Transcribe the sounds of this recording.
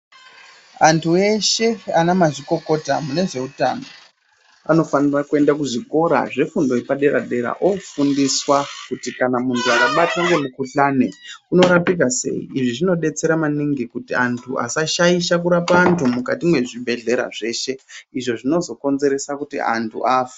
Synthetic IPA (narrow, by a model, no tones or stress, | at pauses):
antʰue̞ʃe̞anamaʐiko̞ko̞ta̰mune̞ʐe̞uta̰no | a̰no̞fanirakue̞ndakuʐiko̞ɾa̰ʐe̞fundo̞ipaɗe̞ɾa̰ɗe̞ɾa̰ʔofundiswakutikanamuntʰuakaɓataŋɡe̞mukuɬane̞kuno̞ɾapik̬ase̞̰ḭiʐiʐino̞ɗe̞t͡se̞ɾamaniŋɡikutiantʰuʔa̰saʃaiʃak̬uɾapaːntʰumukatimwe̞ʐibʱe̞ɮe̞ɾa̰ʐe̞ːʃe̞iʐo̞ʐino̞zo̞ko̞nze̞ɾe̞sakutḭa̰ntʰṵʔaːfe̥